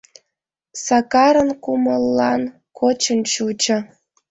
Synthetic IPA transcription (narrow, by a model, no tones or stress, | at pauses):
sɑkɑɾə̆nkuməlːɑn | kʰot͡ɕənt͡ɕut͡ɕə̆